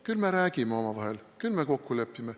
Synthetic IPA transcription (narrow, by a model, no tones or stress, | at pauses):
kylmeɾæːkimːeo̞mɑʋɑhelkylmekokːulepːime